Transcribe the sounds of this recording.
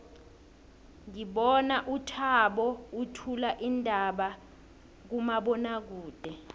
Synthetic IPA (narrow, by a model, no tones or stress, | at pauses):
ŋiɓɔnaʔutʰaɓɔutʰulaʔindʱaɓa | k̬umaɓɔnak̬uːd̥ʱɛ